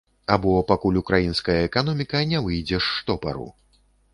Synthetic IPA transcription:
abɔpakulʲukɾajinskɐjɐɛkan̪ɔmʲikɐnʲɛvɨjd͡zʲɛʂːt̪ɔpa̰ɾṵ

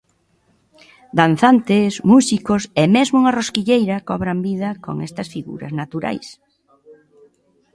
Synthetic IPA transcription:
d̪an̟θant̪ɪsmusikosemezmouŋɐroskiʎejɾɐkɔβɾambiðɐko̰ŋɛ̰st̪ɐsfiɣṵɾɐ̰znat̪uɾa̰js

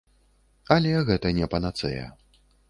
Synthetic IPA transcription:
ɐlʲɛɣɛt̪ɐnʲɛpɐnat̪sɛ̰jɐ̰

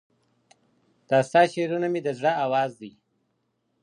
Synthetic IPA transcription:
t̪ɑst̪ɑʃeɾunamid̪əzɽaawɑːzd̪ij

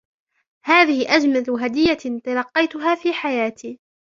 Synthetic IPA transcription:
haːðɪhɪʔad͡ʒmalʊɦad̪ɪjːat̪ɑlɑqːɑjt̪ʊɦaːfiːħajaːt̪ʰiː

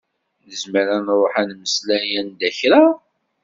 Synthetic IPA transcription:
nəzməɾænɾˤoħænməslæjænd̪æçɾa

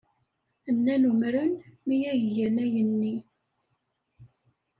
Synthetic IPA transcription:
ənːænumɾənmijæʝjænæjənːi

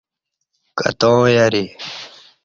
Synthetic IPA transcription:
ka̰t̪õːjaɾi

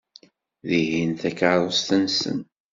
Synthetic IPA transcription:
ðihinθækaɾˤost̪ənsə̰n

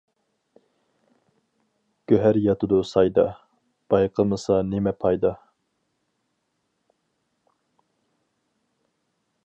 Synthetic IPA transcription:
ɡ̥ʲøɦæɾjɑt̪ɨd̪usɑjd̪ɑ | b̥ɑjqʰəmɨsɑnɪmɛpʰɑjd̪ɑ

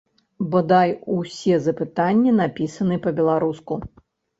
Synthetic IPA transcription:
bɔd̪ajusʲɛzɐpɨt̪anʲːinapʲisɐnɨpɐbʲɛlˠaɾusku

